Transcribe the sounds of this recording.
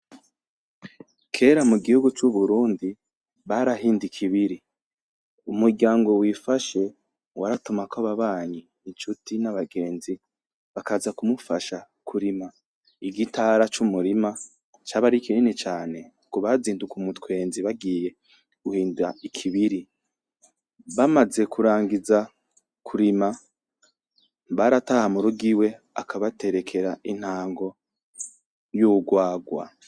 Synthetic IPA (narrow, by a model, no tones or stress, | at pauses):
kʰe̞ːɾamuɡihuɡut͡ʃuβuɾuːndi | βaɾaɦiːndikʰiβiɾi | umuɾɟaːŋɡo̞wiːfaʃe̞ | waɾatumakʰoβaβaːɲiːnt͡ʃutinaβaɡe̞ːnzi | βakazakumufaʃa | kʰuɾima | iɡitaɾat͡ʃumuɾima | t͡ʃaːβaɾikininit͡ʃaːne̞ | kuβaziːndukumutkwe̞ːnziβaɡije̞ | ɡ̥uhiːnduaikʰiβiɾi | βamaze̞kʰuɾaːŋɡiza | kʰuɾima | βaɾatahamuɾuɡiwe̞ | akʰaβate̞ɾe̞kʰe̞ɾain̥haːŋɡo̞ | juɡwaːɡwa̰